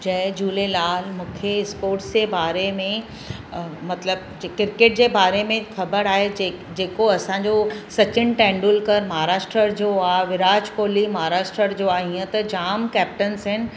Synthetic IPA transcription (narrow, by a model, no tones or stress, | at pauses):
d͡ʑɐ̃ɦd͡ʑuːlelaːlmũːkʰeɪspoːɾʈsd͡ʑebaːɾemẽ | mɐt̪ləb̚ | kɪɾkeʈ̚d͡ʑeːbaːɾemẽxʰɐbəɾaːɦe | d͡ʑeːkoɐsãɲd͡ʑosɐt͡ɕɪnʈɛ̃ːɳɖuːlkɐɾmɐɦɾaːʃʈɾəɾd͡ʑoːaːʋɪɾaːd͡ʑkoːlimɐɦaɾaːʃʈɾəɾd͡ʑoaĩːə̃t̪ɐd͡ʑaːmkɛːp̚ʈənsɦɪnɪ̆